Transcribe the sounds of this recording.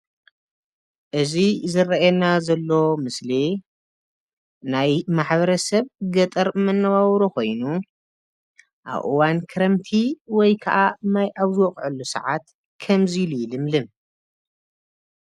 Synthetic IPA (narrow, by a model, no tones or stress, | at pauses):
ʔɨzizɨɾɐɛnazɐlːomɨsli | najmaħβɐɾɐsɐβɡɐt̪ʼɐɾmɐnːɐβawɾoko̞jnu | ʔa̰βʔɨ̰wankʰɨɾɐmt̪ʰiwɔjkʰɐʔamajʔaβzɨwɔχʼʕɨlːusɐ̰ʕat̪ | kʰɐmzililɨmlɨn